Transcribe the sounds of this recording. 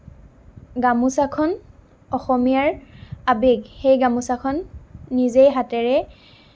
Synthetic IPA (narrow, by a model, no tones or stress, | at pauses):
ɡamusakʰɔn | ɔxɔmijaɹabeɡxejɡamusakʰɔnːizejɦatɛɹɛ